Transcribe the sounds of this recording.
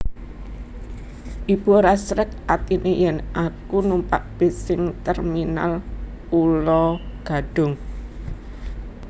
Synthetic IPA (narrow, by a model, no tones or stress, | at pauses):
ʔib̥o̤ɾasɾɛk̚at̪inʔejɛnʔakunumpa̰ʔb̥e̤sɪŋt̪ɛrmina̰l | ulɔɡ̥a̤ɖ̥ʊ̤ŋ